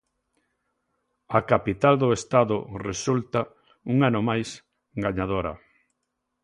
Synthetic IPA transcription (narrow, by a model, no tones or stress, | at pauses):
akapit̪ald̪ʊest̪aðʊresult̪a | uŋanomajs | ɡaɲað̞oɾɐ̰